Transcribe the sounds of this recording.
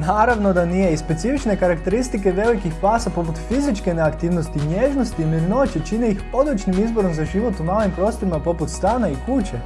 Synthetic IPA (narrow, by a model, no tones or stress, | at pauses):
naːɾaʋno̞d̪anijeispe̞t̪sifit͡ʃne̞kaɾakt̪e̞ɾist̪ike̞ʋe̞ʋojkixpaːsapo̞put̪fizit͡ʃke̞neakt̪iːʋnost̪iɲjeːʒnost̪iːmiɾno̞t͡ɕet͡ʃineixo̞d̪lˠut͡ʃnimizbo̞ɾo̞mzaʒiʋo̞t̪umaːlimpɾo̞ːst̪oɾimapo̞put̪st̪aːnaikut͡ɕe